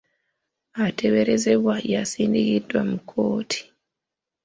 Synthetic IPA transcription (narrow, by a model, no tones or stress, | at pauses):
ate̞βe̞ɾeze̞βwajasiːndikidwamukʰo̞ːtʰi̥